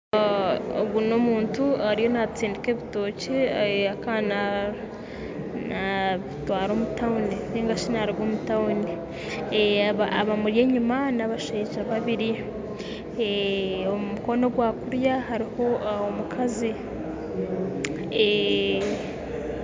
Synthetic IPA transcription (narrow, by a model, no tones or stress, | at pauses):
oɡuno̞muːntuaɾijo̞nat͡siːndike̞ːβito̞ːceakana | naβitwaːɾo̞ːmutauniniːŋɡaʃinaɾiɡwomutauni | aβaaβamuɾje̞ːɲumanaβaʃeːʒaβaβiɾi | omuko̞no̞ɡwakuɾjahaɾiho̞aomukʰazi